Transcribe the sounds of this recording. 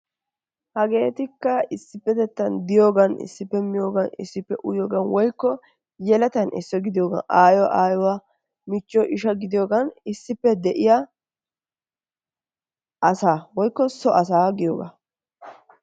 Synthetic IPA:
hɐɡe̞ːt̪ɪkːɐɪsːɪpːɛt̪ɛt̪ːɐnd̪ɪjo̞ːɡɐnɪ̰sːɪpːɛmɪjo̞ːɡɐnɪ̰sːɪpːɛʔʊjoːɡɐnwɔjkːɔ | jɛlɐt̪ɐnɪsːɔɡɪd̪ɪjoːɡɐ̰nʔaːjɔw̰ʔaːjɔwa | mɪt͡ʃːɔʔɪʃɐɡɪd̪ɪjoːɡɐnɪsːɪpːɛd̪ɛʔɪjɐ | ʔɐsaːwɔjkːɔsɔʔɐs̬aːɡɪjoːɡa̰

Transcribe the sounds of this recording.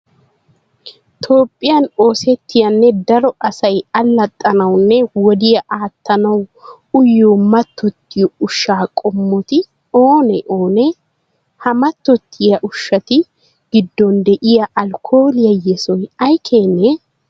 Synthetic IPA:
t̪ʰo̞ːpʼːɪjɐno̞ːsɛt̪ːɪjɐnːɛd̪ɐɾɔʔɐsɐjɐlːɐt̪ʼːɐnɐwnːɛwɔd̪ɪjɐʔaːt̪ːɐnɐw | ʊjːuːmɐt̪ːɔt̪ːɪjɔʊʃːaːkʼɔmːɔt̪ɪ | oːnɛʔoːnɛ | hɐmɐt̪ːɔt̪ʰːɪjɐʔʊʃːɐt̪ɪ | ɡɪd̪ːɔnd̪ɛʔɪjɐʔɐlkʰo̞ːlɪjɐjɛsɔjɐjkʰeːnːɛ

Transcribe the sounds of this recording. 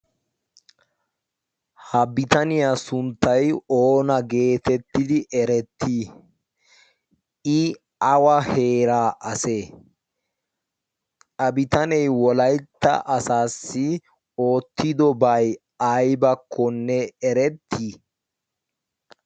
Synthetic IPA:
hɐbɪt̪ɐnɪjasʊnt̪ːɐjoːnɐɡe̞ːt̪ɛt̪ːɪd̪ɪʔɛɾɛt̪ʰːi | ʔɪ | ɐwɐhe̞ːɾaːʔɐse̞ː | ʔɐbɪt̪ɐnɛjwɔlɐjt̪ːɐ̰ʔɐsaːsːɪ | o̞ːt̪ːɪd̪ɔbɐj | ɐjbɐkʰːɔnːɛɛɾɛt̪ʰːiː

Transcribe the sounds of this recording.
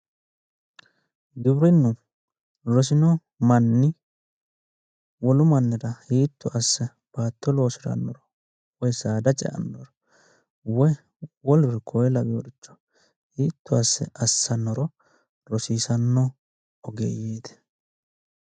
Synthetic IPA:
d̪ʊbɾɪnːʊ | ɾɔs̬ɪnɔ | mɐnːɪ | wɔlʊmɐnːɪɾɐhiːt̪ːʊʔɐsːɛ | b̥aːt̪ːɔlo̞ːsɪɾɐ̰nːɔɾɔ | wɔjsaːd̪ɐt͡ʃʼɛ̰ʔɐ̰nːɔɾɔ | wɔ | wɔlʊɾkʰɔjɛlɐbɪɔɾɪt͡ʃːɔ̥ | hiːt̪ʰːʊɐsːɛ̰ʔɐsːɐnːɔɾɔ | ɾɔsiːsɐnːɔ | ɔɡḛːjeːt̪ɛ̥

